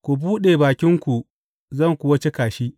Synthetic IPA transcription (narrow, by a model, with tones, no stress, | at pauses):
kʷu˨buː˦ɗeː˨baː˨kʲɪ˦ŋkʷu˨ | zɐ˦˨ŋkʷʊ˨wɐ˦t͡ʃe˦kaː˨ʃi˦ʔ